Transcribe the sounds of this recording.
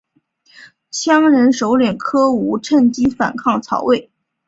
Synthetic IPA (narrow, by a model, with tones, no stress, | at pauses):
ɕʰjɑ˥ŋɻə˧˥nʂo˧˥ʊljɛ˨˩nkʰɤ˥u˧˥ʈ͡ʂʰə˥˩nt͡ɕi˥fa̰˨˩nkʰɑ˥˩ŋt͡sʰɑ̰˧˥ʊwe˥˩ɪ